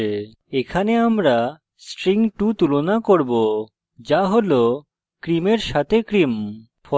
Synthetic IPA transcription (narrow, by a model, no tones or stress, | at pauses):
ekʰaneamɾa | sʈɾiŋʈut̪ulonakoɾbo | d͡ʑaɦolo | kɾimeɾʃat̪ʰekɾim | fɔ